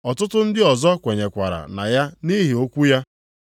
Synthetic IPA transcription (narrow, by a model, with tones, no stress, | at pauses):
ɔ˨tʊ˦tʊ˦n̩˦dɪ˦ɔ˨zɔ˦kʷe˨ɲe˨kʷa̰˨ɾa̰˨na̰˨ja˦ni˦ɦi˨o˦kʷu˦ja˦